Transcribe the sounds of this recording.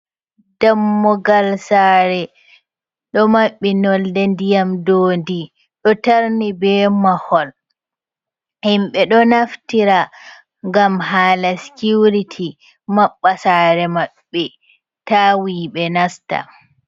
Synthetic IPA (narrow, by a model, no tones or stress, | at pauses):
d̥amːɔɡalsaːɾɛ | ɗɔmaɓːinɔldɛndijamdoːndi | ɗɔtaɾnibɛːmahɔl | himɓɛɗɔnaftiɾa | ŋɡamɦaːlasi̥kuɾitʰi | maɓːasaːɾɛmaɓːɛ | taːwiːɓɛnasta̰